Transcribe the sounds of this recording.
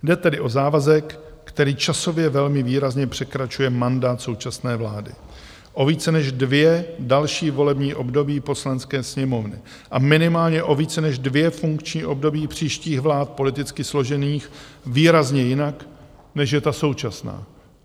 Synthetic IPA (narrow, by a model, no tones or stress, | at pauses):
dɛt̪ɛdɪʔo̞zaːvazɛkːt̪ɛɾiːt͡ʃaso̞vjɛvɛlmɪviːɾazɲɛpr̥ɛkɾat͡ʃujɛmandaːt̪so̞wt͡ʃasnɛːvlaːdɪ̰ | ʔo̞viːt͡sɛnɛʒdvjɛdalʃiːvo̞lɛbɲiːʔo̞bdo̞biːpo̞slanskɛːsɲɛmo̞vnɪ̰ | ʔamɪnɪmaːlɲɛʔo̞viːt͡sɛnɛʒdvjɛfuŋkt͡ʃɲiːʔo̞bdo̞biːpr̝̥iːʃciːɣvlaːt̪̚po̞lɪt̪ɪt͡skɪslo̞ʒɛniːxviːɾazɲɛjɪnak | nɛʃjɛt̪aso̞wt͡ʃasna̰ː